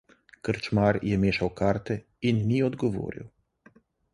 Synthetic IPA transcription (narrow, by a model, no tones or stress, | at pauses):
kəɾt͡ʃmaːɾjɛmeːʃawkaːɾt̪ɛ | inːiɔd̪ɡɔʋo̰ːɾḭw